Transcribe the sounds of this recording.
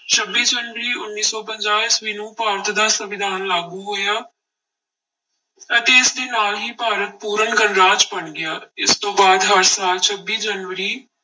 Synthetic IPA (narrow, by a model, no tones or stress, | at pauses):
t͡ʃʰəbːiːd͡ʒənʋəɾiːʊnːiːsɔːpə̃ɲd͡ʒaːlɪsʋiːnũːpaːɾət̪d̪aːsəʋɪd̪ʱaːnlaːɡuːɦoːjaː | ət̪eːɪsd̪eːnaːlɦiːpaːɾət̪̚puːɾənɡənɾaːd͡ʒpəɳɡɪaːɪst̪õːbaːd̪ɦəɾsaːlt͡ʃʰəbiːd͡ʒənʋəɾiː